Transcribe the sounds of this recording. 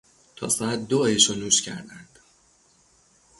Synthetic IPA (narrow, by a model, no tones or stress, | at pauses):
t̪ʰɒ̰ːsææt̪̚d̪ojeʃonuːʃcʰæ̰ɾd̪ænd̪̥